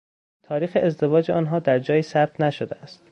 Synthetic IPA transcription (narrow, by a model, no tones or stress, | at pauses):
t̪ʰɒːɾiːxeezd̪e̞vɒːd͡ʒeɒːnɦɒːd̪æɾd͡ʒɒːjiːsæb̚t̪ʰnæʃod̪eæst̪